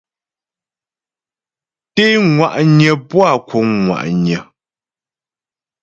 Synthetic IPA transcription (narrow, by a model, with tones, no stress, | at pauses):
te˦ŋwa˨ʔɲə˨pwa˦˨kʰu˨˦ŋŋwa̰˨ʔɲə˨